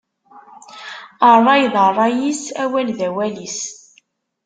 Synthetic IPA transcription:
ərˤːɑjðˤərˤːɑjisæwælðæwælis

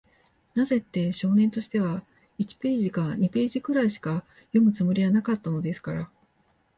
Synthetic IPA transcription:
naze̞t̪ːe̞ɕo̞ːnẽ̞nt̪o̞ɕi̥t̪e̞βa | it͡ɕi̥pe̞ːʑikaɲ̟ipe̞ːʑikɯ̟ɾaiɕi̥ka | jo̞mɯ̟t͡sɨmo̞ɾʲijanakat̪ːano̞d̪e̞sɨ̥kaɾa

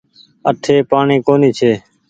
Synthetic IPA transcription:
əʈʰeːpaːɳiːkoːniːt͡ʃʰeː

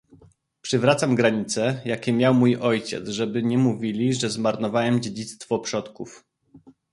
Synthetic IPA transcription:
pʂɘvɾat̪samɡɾaɲit̪sɛjakʲɛmʲjawmujʔɔjt͡ɕɛ̰t̪zʐɛbɘɲɛmuvʲilʲiʐɛzmaɾnɔvawɛmd͡ʑed͡ʑit̪st̪fɔpʂɔt̪kuf

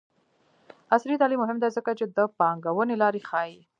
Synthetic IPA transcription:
asɾit̪ɑlimːʊɦɪmd̪ɛzəkat͡ʃed̪əpɑŋɡawənelɑɾexɑji

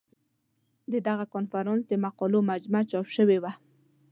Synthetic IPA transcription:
d̪əd̪aɣakonfaɾɑnsd̪əmaqɑlomad͡ʒmat͡ʃɑpʃəwewa

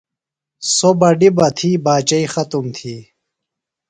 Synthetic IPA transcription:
sobɐɖibɐt̪ʰiːbaːt͡ɕɐixɐt̪umt̪ʰiː

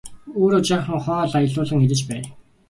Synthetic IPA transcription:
oːɾʊt͡ɕaːχə̆ŋχɔːɮajə̆ɮʊːɮə̆ŋiɾɘ̆t͡ɕpæː

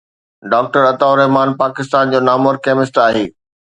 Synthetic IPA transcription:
ɖaːk̚ʈəɾɐt̪aːʊɾɛɦmaːnpaːkɪst̪aːnd͡ʑoːnaːmoɾkɛːmɪsʈaːɦeː

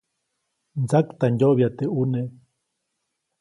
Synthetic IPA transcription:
nd͡zakt̪anjoβjat̪eune

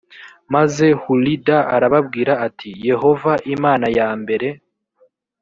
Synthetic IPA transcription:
maze̞hulidaaɾaβabɡiːɾaːtʰije̞ho̞vaʔimaːnajaːmbe̞ɾe̞

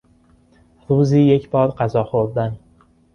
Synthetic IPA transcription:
ɾuːziːje̞cʰʲbɒːɾɢazɒːχoɾd̪æn

